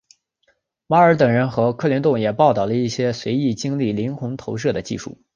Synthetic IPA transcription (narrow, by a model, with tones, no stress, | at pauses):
wa˧˥ə˞˧˥t̪ɤ˨˩ŋɻə˧˥nxɤ˧˥kʰɤ˥˩ljɛ˧˥nt̪ʊ˥˩ŋjɛ˨˩pɑ˥˧ʊt̪ɑ˨˩ʊlə˦i˥˩ɕjɛ˥swe˧˥ɪi˥˩t͡ɕi˥ŋli˥˩li˧˥nxʊ˧˥ŋt̪ʰo˧˥ʊʂ̬ɤ˥˩d̪ə˩t͡ɕḭ˥˧ʂṵ˥˩